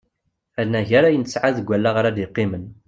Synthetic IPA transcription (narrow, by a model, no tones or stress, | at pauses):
ælnæʝæɾæjənəsʕaðəɡʷælːaʁəɾæd̪iqːɪmən